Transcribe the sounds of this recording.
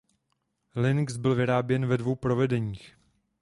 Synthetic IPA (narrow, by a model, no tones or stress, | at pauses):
lɪŋksbɪlvɪɾaːbjɛnvɛdvo̞wpɾo̞vɛdɛɲiːx